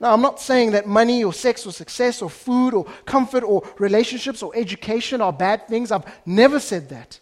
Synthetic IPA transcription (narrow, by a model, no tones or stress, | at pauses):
naʊãɪ̃mnɔtseɪɪ̃ŋðɨt̚maniɔsɛksɔsəksɛsɔfuːɾɔkʰʌ̃ɱfəɾɔɹileɪʃə̃nʃɪpsɔʔɛd͡ʒukʰeɪʃə̃nəbæd̪̚θɪ̃ŋzaɪvnɛvəsɛd̪̚ðæ̰t